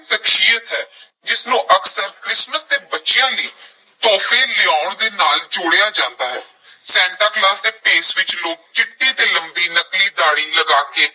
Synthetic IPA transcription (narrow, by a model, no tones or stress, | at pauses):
t̪əkʃiːjət̪ɦɛː | d͡ʒɪsnũːʔəksəɾkɾɪsməsd̪eːbətːʃɪjãːləiː | t̪ɔːpʰẽːlɪaːʊɳd̪eːnaːld͡ʒʊːɽejaːd͡ʒãːnd̪aːɦɛː | sɛ̃ːɳʈəɾklaːsd̪eːpeːsʋɪt͡ʃloːk̚t͡ʃɪʈːĩːt̪eːləmbiːnəkliːd̪aːɽiːləɡaːkeː